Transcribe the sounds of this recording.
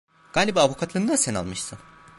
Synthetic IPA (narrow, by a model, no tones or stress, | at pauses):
ɡ̥aːlʲibiavukʰat̪ʰlˠɯnɯd̪asɛna̰lˠmɯʃsɯn